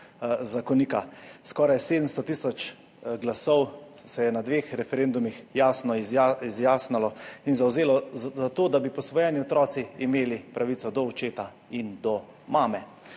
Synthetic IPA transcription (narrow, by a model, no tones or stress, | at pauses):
zakɔnikaskɔːɾajseːd̪əmst̪ɔt̪isɔt͡ʃ | ɡlasɔw | sɛjɛnad̪ʋeːxɾɛfɛɾeːnd̪umixjaːsnɔizaizjaːsnalɔinzawzeːlɔzat̪oːd̪abipɔsʋɔjɛniɔt̪ɾɔːt̪siːmeːlipɾʔaʋiːt̪sɔd̪ɔɔt͡ʃeːt̪a | ind̪ɔ | maːmɛ